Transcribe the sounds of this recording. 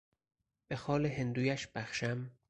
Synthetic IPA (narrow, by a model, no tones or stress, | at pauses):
b̥e̞xɒːleɦend̪uːjæʃb̥æxʃæm